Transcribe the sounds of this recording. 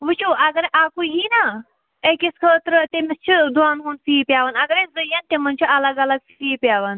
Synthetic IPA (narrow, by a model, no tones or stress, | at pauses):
ʋɨt͡ʃʰuɐɡɐɾʔaːkuɦina | ekʲiskʰəːt̪ɾɨt̪emist͡ʃʰid̪ʱuaːnɦuːnsiːpʲjaːʋɐnɐɡɐɾezɨjɐnt̪emɐnt͡ʃʰiɐlɐɡɐlɐɡsiːpʲaːʋɐn